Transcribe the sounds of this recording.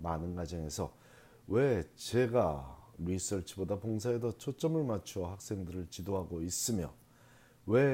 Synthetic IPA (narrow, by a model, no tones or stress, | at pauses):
manɯnɡad͡ʑʌŋe̞sʰʌ̰ | we̞t͡ɕe̞ɡaɾis͈ʰʌɭt͡ɕʰɯbodapoŋs̬ʰaedʌt͡ɕʰot͡ɕ͈ʌmɯɭmat͡ɕʰuohak̚s͈e̞ŋdɯɾɯɭt͡ɕidoɦaɡois͈ɯmjʌ̰ | we̞